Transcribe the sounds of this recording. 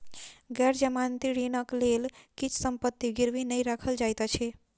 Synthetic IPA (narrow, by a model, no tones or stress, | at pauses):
ɡɛɾd͡ʒəmant̪iɽinəklelkit͡ʃʰsəmpət̪ːiɡiɾʋinəiɾakʰəld͡ʒajt̪at͡ʃʰe